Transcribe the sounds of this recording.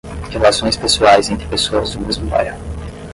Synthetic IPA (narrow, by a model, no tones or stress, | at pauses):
helasõj̃spesuajzẽnt̪ɾɪpesoɐzd̪ʊmezmʊpa̰ɾa